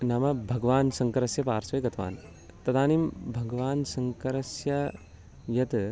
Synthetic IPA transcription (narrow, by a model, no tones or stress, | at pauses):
nɐmɐbʱɐɡʋaːnsɐŋkɐɾɐsjɐpaːɾsɐjɡɐt̪ʋa̰ːn | t̪ɐd̪aːniːmbʱɐɡɐʋaːnsɐŋkɐɾɐsjɐ | jɐt̪